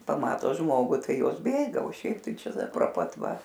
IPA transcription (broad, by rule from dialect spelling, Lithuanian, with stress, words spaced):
pɐˈmɑːtoː ˈʒmoːɡʊ ˈtɐɪ ˈjoːs ˈbʲeːɡɐ oː ˈʃʲɛɪp ˈtɐɪ ˈt͡ʃʲɛ proː ˈpɐt ˈʋɐ